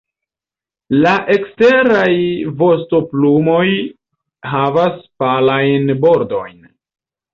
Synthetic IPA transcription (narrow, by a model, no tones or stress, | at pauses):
laʔe̞kste̞ɾajvo̞sto̞plumo̞j | ɦavaspalajnbo̞ɾdo̞jn